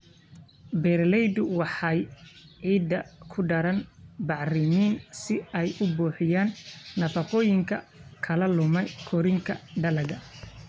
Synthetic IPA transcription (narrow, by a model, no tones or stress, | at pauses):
bɛrlɛjd̪ʊwɑħɑjʕiːd̪ːɐkʰʊɖɐɾɐnbɑʕrɪmiːnsɪɛjʊbuːħɪjaːnːɐfɐqɔːjɪŋkʰɐ̰ | kʰɐlɐlʊmɛjkʰɔɾɪŋkʰɐ̰ɖɐlɐɣɐ